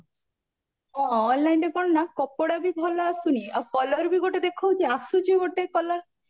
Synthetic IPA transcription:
ɔːnlajnʈekɔɽnakɔpoɽabibʱɔlaasuniakɔlɔɾbiɡoʈed̪ekʰowd͡ʒeasud͡ʒiɡoʈekɔlɔɾ

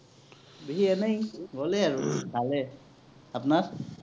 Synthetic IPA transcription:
biɦiɛnajɡɔlɛaɹubʱalɛ | apnaɹ

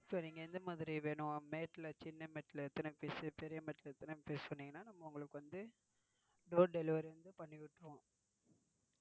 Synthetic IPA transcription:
ɪpːoːniːŋɡɐɪnd̪ɐmaːðɪɾiʋeːɳʊ̃meːʈːlɐt͡ʃɪnːɐmeʈːɪlɛt̪ːɐnɐpeːsɯpɛɾɪjɐmeːʈːɪlɐɛt̪ːɐnɐpeːsɯ̥pɐɳːiːŋɡɐnːaːnɐmːɐʊŋɡɐɭɯkːɯʋɐnd̪ɯ | ɖoːɖɛlɪʋɐɾɾɯnd̪ɯpɐɳːɪʋɪʈːõː

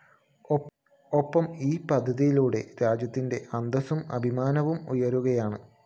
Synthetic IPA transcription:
o̞pːɐmiːpɐd̪ʱːɐðijiluːɽe̞̰ɾaːd͡ʑjɐt̪ːinde̞ʔɐnd̪ɐsumɐ̰bʱimaːnɐʋumujɐɾuɣɐjaːɳɨ

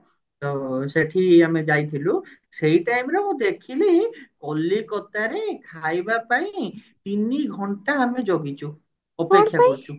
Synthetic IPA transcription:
t̪oseʈʰiamed͡ʒajt̪ʰilu | sejʈajmɾemũd̪ekʰilikɔlːikɔt̪aɾekʰajbapaĩt̪iniɡʱɔɳʈaːmed͡ʒoɡit͡ʃʰu | ɔpekʰːjakɔɾt͡ʃʰu

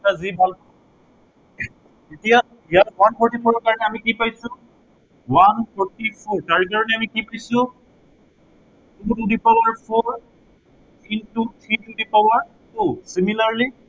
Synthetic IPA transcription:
tazibʱalɔ | etija | ijatwanpʰɔɹtipʰɔɹɔɹkaɹɔnɛamikipajsʊ̃ | wanpʰɔɹtipʰɔɹtaɹk̬aɹɔnɛamikipajsʊ̃ | tutudipawaɹpʰɔɹ | tʰitutʰɹitudipawaɹ | tusimilaɹli

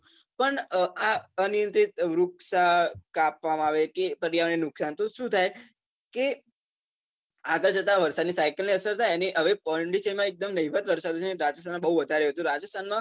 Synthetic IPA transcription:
pəɳaənijə̃nt̪ɾit̪ɾʊksakapʋamãaʋekepəɾijaʋnenʊksant̪oʃũt̪ʰaj | ke | aɡəɭd͡ʒət̪aʋəɾsad̪nisajkəlniəsəɾt̪ʰajəneʔɦəʋepɔɳɖiʃənmãek̚d̪əmnəiʋət̪ʋəɾsad̪ot͡ʃʰeneɾad͡ʒəst̪ʰanmãbəɦuʋəd̪ʱaɾeɦət̪ũɾad͡ʒəst̪ʰanmã

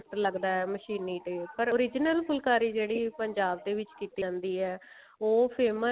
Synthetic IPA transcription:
ʈləɡd̪aːɛːməʃiːnːiːʈ̪eːpəɾoːɾɪd͡ʒnəlpʰʊlkaːɾiːd͡ʒeːɽiːpəɲd͡ʒaːbd̪eːʋɪt͡ʃkiːt̪iãːnd̪iːɦɛː | oːpʰeːmə

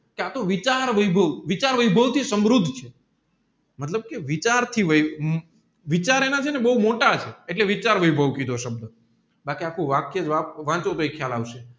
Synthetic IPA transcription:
keat̪oʋit͡ʃaɾʋəjbʱəʋʋit͡ʃaɾʋəjbʱəʋt̪ʰisəmɾud̪ʱt͡ʃʰe | mət̪ləb̚keʋit͡ʃaɾt̪ʰiʋəj | ʋit͡ʃaɾenat͡ʃʰenebəɦumoʈat͡ʃʰeeʈleʋit͡ʃaɾʋəjbʱəʋkid̪ʱoʃəb̚d̪ə | bakiakʰũʋãkjed͡ʒʋaʋãt͡ʃot̪oekʰjalaʋʃe

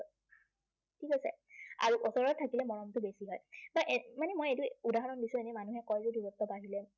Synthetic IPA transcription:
tʰikasɛ̰a̰ɹuʔɔsɔɹɔtʰakilɛmɔɹɔmtʊbesiɦɔjbaʔemanɛmojejtʊudaɦɔɹɔndisũenɛmanuɦɛkɔjtudubɔp̚tɔbaɦilɛ

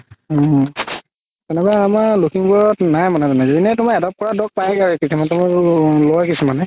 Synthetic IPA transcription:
ɔ | tɛnɛkaamaɹlokiŋbɔɹɔtnajmanɛtɔnɛzedinɛtʊmaɛdɔp̚kɔɹadɔk̚pajkaɹikisimantumaɹlɔjkisumanɛ

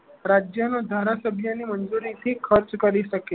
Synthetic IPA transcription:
ɾad͡ʑjanod̪ʱaɾasəbʱjanːiːmənd͡zuɾit̪ʰikʰəɾt͡skəɾiːsəki

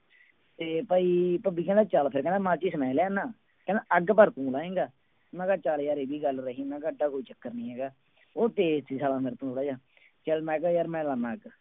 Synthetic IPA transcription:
t̪eːpaːiːpəbiːkɛ̃ːd̪aːt͡ʃaːlpʰɪɾkɛ̃ːnd̪ːmãːt͡ʃiːsəmɛːleːnːãː | kɛ̃nd̪aʔəɡpəɾt̪ũːlaːẽːɡaː | nãːkaːt͡ʃaːljaːɾeːbiːɡəlɾəɦĩːnãːɡəɖaːkoːiːt͡ʃəkːəɾnĩːɦɛːɡaː | oːt̪eːsiːsaːlãːmeɾt̪ũːlaːd͡ʒaː | t͡ʃəlmɛ̃ːɡajaːɾmɛ̃ːlaːnãːɡ

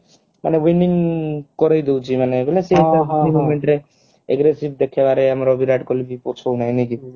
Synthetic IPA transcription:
manewiniŋkɔɾɔjd̪ewt͡sʰimaneɡolaset̪atimomeɳʈɾe | ḛɡɾesib̚d̪ekʰebaɾeamɾɔːbʱiɾaɖkɔlibipɔt͡sʰɔwnajniki

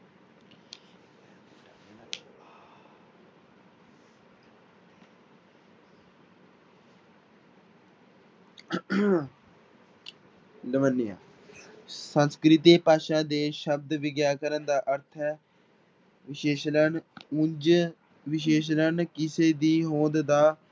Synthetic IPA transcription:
ləʋənːɪja̰ː | sənskɾɪt̪iːpaːʃãːd̪eːʃəb̚d̪ʋɪɡjaːkəɾənd̪aːʔəɾt̪ʰɛː | ʋɪʃeːʃlənʊnd͡ʒ | ʋɪʃ̬eːʃ̬lənkɪseːd̪iːɦoːd̪d̪aː

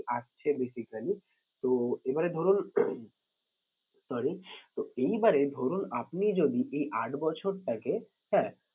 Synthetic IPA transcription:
ast͡ɕʰebesikali | t̪oebaɾed̪ʱoɾun | sɔɾit̪oejbaɾed̪ʱoɾunapnid͡ʑod̪iʔejʔaʈʰbɔt͡ɕʰoɾʈake | ɦɛ̃

